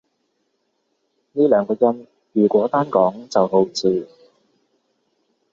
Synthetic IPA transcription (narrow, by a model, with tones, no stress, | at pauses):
niː˥lœː˨˥ŋkɔː˧jɐ˧n | jyː˨˩kʷɔː˨˥t̪aː˥nkɔː˨˥ŋt͡sɐ˨wɦo˨˥wt͡sʰiː˧